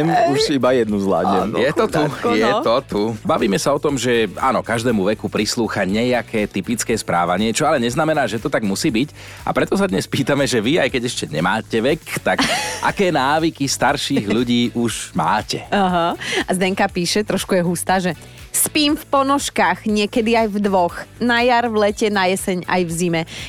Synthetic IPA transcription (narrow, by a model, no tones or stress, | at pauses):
muʃibajɛd̪nuzla̰ːdɲɛjɛt̪ɔt̪ujɛɔt̪ubaʋiːmɛsaɔt̪ɔmʒɛa̰ːnɔkaʒd̪ɛːmuʋɛkupɾisluːxaɲɛjakʰɛːt̪ipit͡skɛːspɾaːʋaɲɪɛt͡ʃɔalɛɲɛznamɛnaːʒɛt̪ɔt̪aɡmusiːbic | a̰pɾɛt̪ɔsad̪ɲɛspiːt̪amɛʒɛʋiajkɛɟɛʃcɛɲɛ̰maːcɛʋɛkt̪akʔa̰kɛːnaːʋikist̪aɾʃiɣʎuɟiːʔuʒma̰ːcɛaɦaazd̪ɛŋkapiːʃɛt̪ɾɔʃkujɛɦust̪aːʒɛ | spiːmfpɔnɔʃkaːɣɲɪɛkɛd̪iajvd̪ʋɔxnajaɾʋlɛcɛnajɛsɛɲa̰jvzimɛ